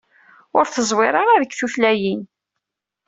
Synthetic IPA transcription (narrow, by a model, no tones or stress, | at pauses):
ʊɾθəzˤwɪɾˤɑɾˤaðəkːθuθlæjin